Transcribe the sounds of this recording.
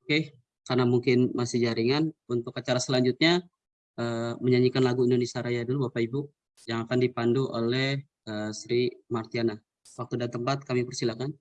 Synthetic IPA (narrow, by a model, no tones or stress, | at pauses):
oke | karnamuŋkɪnmasɪd͡ʒaɾiŋanunt̪ʊkat͡ʃaɾasəlaɲd͡ʒut̪̚ɲa | ʔəməɲaɲikanlaɡuindonesiaɾajadulubapaibu | d͡ʒaŋakandipanduʔo̰lɛh | əsɾimart̪iana | wak̚t̪udat̪əmpat̪̚kamipərsilakan